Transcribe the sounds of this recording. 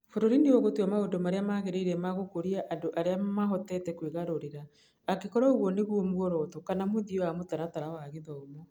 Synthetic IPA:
foɾoɾineoɣotuamaondomaɾeamaːɣeɾeiɾɛmaɣokoɾiaʔandoʔaɾeamaɦɔtɛtɛkweɣaɾoɾeɾaː | kekɔɾaoɣwɔneɣwɔmuɣɔɾɔtɔkanamoðioamotaɾataɾawaɣeðɔomo

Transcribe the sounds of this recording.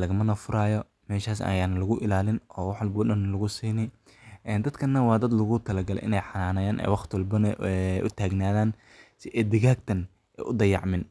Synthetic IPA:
lɐɣɐmɐnɐfʊɾaːjɔ | mɛːʃaːsɐ̰jaːnɐlɐɣʊʔɪlaːlɪnʔɔːwɑħlbʊːɗɐnːɐlɐɣʊsiːnɪ | ʔɛːnd̪ɐd̪kʰɐnːɐwɑːd̪ɐd̪lɐɣʊt̪ʰɐlɐɡɐlɛ̰ʔɪ̰nɛjħɑnaːnɐjaːnʔɛ̰jwɑχt̪ʰwɔlbɐnɛʔʊ̰t̪ʰaːɡnaːðaːn | sɪʔɛjd̪ɪɣaːɡ̚t̪ʰɐn | ʔɛjʔʊd̪ɐjɑ̰ʕmɪn

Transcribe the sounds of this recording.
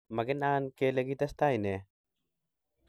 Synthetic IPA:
mɐɡenaːnkeleɡit̪ɐst̪aːjne

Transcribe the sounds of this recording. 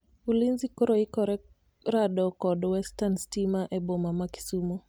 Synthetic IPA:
ulinzikɔɾɔikɔɾɛ | ɾaɗɔkɔɗɔwɛstanstimaʔɛbɔmamaki̥sumɔ

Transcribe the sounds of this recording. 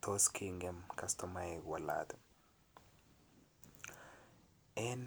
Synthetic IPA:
t̪ʰoskʰiŋɡɛmkast̪ɔmaeɡwala̰t̪ɛ | ɛn

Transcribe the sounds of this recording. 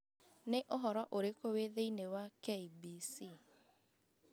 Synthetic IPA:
neʔoɦɔɾɔʔoɾekoweðeinewakeibisi

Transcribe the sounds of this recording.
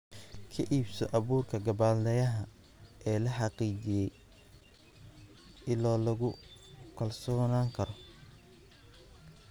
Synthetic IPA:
kʰɐʔiːbsɔʔɐβuːrkʰɐɡɐbaːld̪ɐjɐɦɐ | ʔɛːlɐħɑqiːt͡ʃɪjɛj | ɪlɔːlɐɣʊkʰɐlsɔːnaːŋkʰɐɾɔ

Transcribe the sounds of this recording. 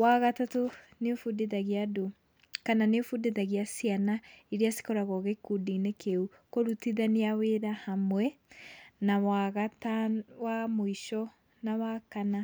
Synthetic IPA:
waɣatato | nefudeðaɣiado | kananefudeðaɣiasianaiɾiasi̥kɔɾaɣɔɣekudinekeu | koɾutiðaneaweɾahamwɛ | nawaɣatawamoiʃɔ | nawakana

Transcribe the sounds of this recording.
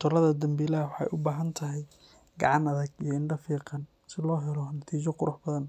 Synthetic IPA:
t̪ʰʊlɐðɐd̪ɐmbiːlɐɦɐwħɑ̰jʔʊbaːɦɐnt̪ʰɐɦɛj | ɡɑʕɑnɐðɐɡ̚ijɞɪɳɖɐfiːqɑn | sɪlɔːɦɛlɔnɐt̪ʰiːt͡ʃɔqʊɾʊħbɐðɐn

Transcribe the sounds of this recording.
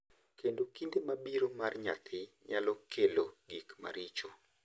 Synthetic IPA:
kendokindemabiɾomarɲa̰t̪ʰɪɲalɔkʰeloɡikma̰ɾɪt͡ʃo

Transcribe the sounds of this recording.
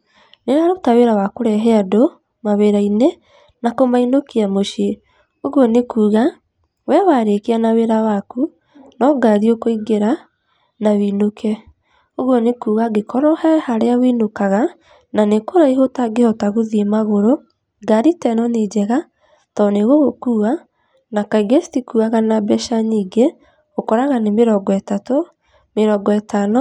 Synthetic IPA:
neɾaɾotaweɾawakoɾɛɦɛado | maweɾaine | nakomainokiamoʃe | oɣwɔnekuːɣa | wɛwaɾekeanaweɾawaku | nɔɡaɾiokoiɡeɾa | nawinokʰɛ | oɣwɔnekuːɣaɡekʰɔɾɔhɛhaɾeawinokaɣa | nanekoɾaiɦotaɡehɔtaɣoðiemaɣoɾo | ɡaɾitɛnɔned͡ʒɛɣa | tɔneɣoɣokuːa | nakaiɡestikuaɣanabɛʃaɲiːɡe | okɔɾaɣanemeɾɔɡɔɛtato | meɾɔɡɔɛtanɔ

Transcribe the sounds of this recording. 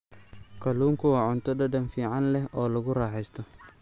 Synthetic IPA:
kʰɐluːŋkʰʊwɑːʕʊnt̪ʰɔdɐdɐnfiːʕɑnlɛhɔːlɐɣʊraːħɛjst̪ʰɔ

